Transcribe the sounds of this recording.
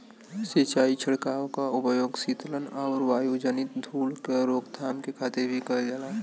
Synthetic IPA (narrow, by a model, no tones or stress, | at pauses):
set͡ʃaːit͡ʃʰəɽkaːokaʊpəjoːɡsiːt̪lənaʊɾʋaːjud͡ʒənɪt̪̚d̪ʱuːlkeɾoːkd̪ʱaːmkekʰaːt̪eɾbʱikəɾd͡ʒala